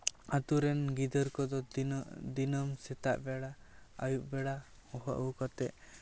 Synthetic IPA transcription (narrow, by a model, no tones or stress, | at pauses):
at̪uɾɛnɡid̪ɔɾkɔd̪ɔd̪inɔmsɛt̪a̰ʔbɛɽaa̰juʔ̚bɛɽa | hɔɦa̰ʔukɔt̪ɛʔ